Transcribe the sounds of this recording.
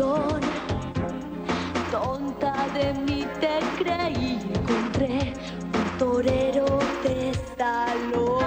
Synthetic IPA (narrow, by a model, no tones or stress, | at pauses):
on | t̪ont̪aðenit̪ekɾeieŋkont̪ɾe | unt̪oɾeɾot̪esalo